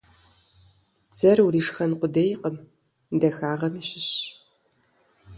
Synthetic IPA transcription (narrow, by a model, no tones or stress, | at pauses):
z̥ɐrwuriːʂxɐnqʷʊdɐjqəm | dɐxaːʁɐmiːɕɪɕ